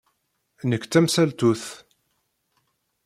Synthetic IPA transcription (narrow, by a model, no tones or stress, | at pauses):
nəkːt͡sːæmsælt̪uθ